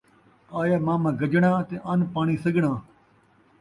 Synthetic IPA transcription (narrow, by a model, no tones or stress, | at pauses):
aːjaːmãːmãːɡəd͡ʒɳãːt̪eʔanpaːɳ̃iːsəɡɳãː